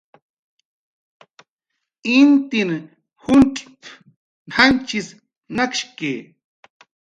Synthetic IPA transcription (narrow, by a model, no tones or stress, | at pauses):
int̪in | huntʼp | hant͡ʃis | nakʃkeː